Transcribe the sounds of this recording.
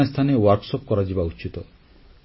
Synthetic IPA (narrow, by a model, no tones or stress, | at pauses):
est̪ʰanewaɾksɔpkɔɾad͡ʒibaut͡ʃit̪ɔ